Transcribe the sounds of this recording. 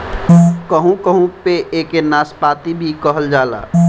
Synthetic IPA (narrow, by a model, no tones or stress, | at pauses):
kəɦũkəɦũpeʔeːkenaːspaːt̪ibʱikəɦəld͡ʒaːla̰ː